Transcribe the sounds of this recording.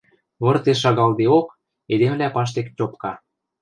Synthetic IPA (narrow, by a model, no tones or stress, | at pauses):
βɤ̆rt̪eʃ̬ɑɣɑld̪eok | ed̪emlæpɑʃ̬t̪ekt͡ɕʲopkɑ